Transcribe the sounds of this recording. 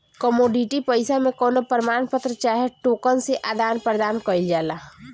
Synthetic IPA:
kɔmoːɖiʈipəɪsamẽkɔːnopəɾəmaːnpət̪ɾət͡ʃaːɦeʈoːkənseʔaːd̪aːnpɾd̪aːnkəɪld͡ʒaːlaː

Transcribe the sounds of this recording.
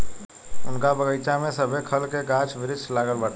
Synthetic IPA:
ʊnkabəɡəɪt͡ʃamẽsəbʱekʰəlkeɡaːt͡ʃbɪɾɪslaːɡəlbəʈ

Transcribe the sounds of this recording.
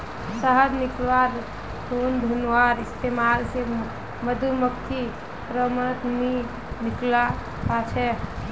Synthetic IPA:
səɦəd̪niklʋaɾ | t̪ʰond̪ʱunʋaɾist̪emaɾse | məd̪uməkt̪ʰi | ɾəmət̪ni | nikla | pat͡ʃʰɛ

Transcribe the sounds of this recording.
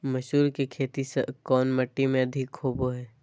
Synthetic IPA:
mɐʃuːɾkekʰeːt̪isɐ̰kɔːnmɐʈːimẽɐd̪ʱɪkʰːoːboɦɛː

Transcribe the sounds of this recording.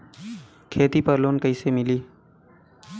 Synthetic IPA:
kʰeːt̪iːpəɾloːnkəiːsemɪliː

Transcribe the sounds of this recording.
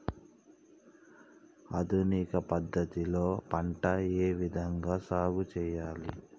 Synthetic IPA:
ɐd̪ʱunikɐpɐd̪ːɐt̪iloːpɐɳʈɐeːʋid̪ʱɐŋɡaːsaːɡut͡ʃɛːjaːli

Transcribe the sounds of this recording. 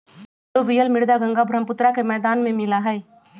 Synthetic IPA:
obijəlmɪɽd̪aɡə̃ŋɡabʱɾəmpʊt̪ɾakemɛːd̪aːnmẽmɪlaɦɛː

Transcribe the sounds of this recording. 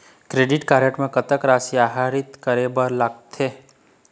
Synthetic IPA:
kɾeːɖɪʈkaːɾəʈmẽkɐt̪əkɾaːsiaːɦaːɾɪt̪kəɾebəɾlaɡt̪ʰeː

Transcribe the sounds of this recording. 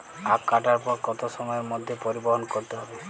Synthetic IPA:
akaʈaɾpɔɾkɔt̪osɔmɔjeɾmod̪ʱjopɔɾibɔɦɔnɔkɔɾt̪eɦɔbe

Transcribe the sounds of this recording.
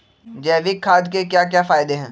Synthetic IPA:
d͡ʒɛːʋɪkʰːaːd̪kekjaːk̬jaːfaːɪd̪eɦɛ̃ː

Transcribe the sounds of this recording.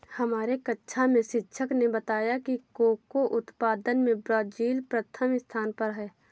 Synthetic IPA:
hɐmaːɾekətːʃʰamẽʃɪtːʃʰəknebət̪aːjakikoːkoʔʊt̪paːd̪ənmẽbɾɔːd͡ʒiːlpɾət̪ʰəmɪst̪ʰaːnpəɾɦɛː

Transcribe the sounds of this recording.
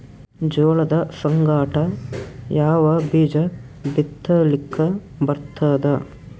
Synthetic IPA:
d͡ʒoːɭɐd̪ɐsɐŋɡaːʈɐjaːʋɐbiːd͡ʒɐ | b̪it̪ːɐlikʰːɐ | bɐɾt̪ʰaːd̪ɐ

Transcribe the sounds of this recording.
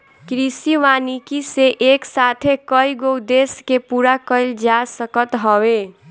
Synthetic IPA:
kɾisiʋanikiseʔeksat̪ʰekəiɡowd̪eskepuɾakəɪld͡ʒasəkət̪ɦɔwe

